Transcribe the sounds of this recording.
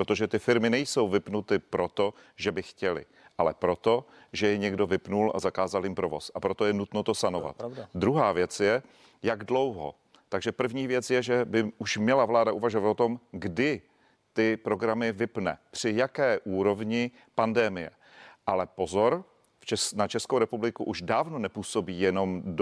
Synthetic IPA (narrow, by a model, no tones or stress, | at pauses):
pɾot̪o̞ʒɛt̪ɪfɪɾmɪnɛjso̞wvɪpnut̪ɪpɾo̞t̪o | ʒɛbɪxcɛlɪ̰ | ʔalɛpɾo̞t̪o̞ | ʒɛjɛɲɛɡdo̞vɪpnulʔa̰zakaːzaljɪmpɾo̞vo̞sʔapɾot̪o̞jɛnut̪no̞t̪o̞sanova̰t̪d̪ɾuɦaːvjɛt͡sjɛ | jaɡdlo̞wɦo̰ | t̪aɡʒɛpr̩vɲiːvjɛt͡sjɛʒɛbɪʔuʃmɲɛlavlaːdaʔuvaʒovat̪ot̪o̞mɡdɪ | t̪ɪpɾo̞ɡɾamɪvɪpnɛ̰pr̝̥ɪjakɛːʔuːɾo̞vɲɪ | pandɛmɪjɛ̰ | ʔalɛpo̞zoɾ | ft͡ʃɛnat͡ʃɛskowɾɛpublɪkuʔuʒdaːvno̞nɛpuːso̞biːjɛno̞md